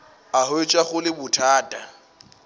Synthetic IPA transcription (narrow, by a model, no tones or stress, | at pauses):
ahʊet͡ʃʼwaχʊlɪbʊtʰaːtʼa